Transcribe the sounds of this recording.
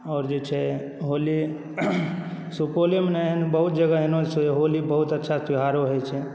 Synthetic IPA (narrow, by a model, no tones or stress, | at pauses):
ɔːɾd͡ʒet͡ʃʰɛ | ɦoli | supolemnanbəɦut̪̚d͡ʒəɡaɦenosɛɦolibəɦut̪ətːʃʰat̪iɦaɾoɦojt͡ʃʰɛ